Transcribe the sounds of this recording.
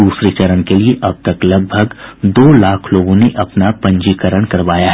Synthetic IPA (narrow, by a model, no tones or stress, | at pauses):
uːsɾit͡ʃɐɾənkelieʔɐb̚t̪ɐklɐɡ̚bʱəɡd̪oːlaːkʰloːɡõneʔɐpnapɐ̃ɲd͡ʒiːkəɾəɽ̃kɐɾʋaːjaɦɛ